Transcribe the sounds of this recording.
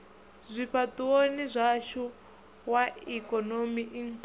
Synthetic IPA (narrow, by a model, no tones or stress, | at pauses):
zʷiɸʰatʼuwonizʷaʃu | waikʼɔnomiʔiŋk